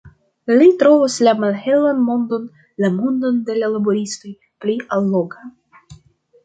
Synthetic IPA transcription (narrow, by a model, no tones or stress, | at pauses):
litɾo̞voslamalhe̞lanmo̞ndo̞n | lamondo̞nde̞lalaboɾisto̞j | pliʔalːo̞ɡa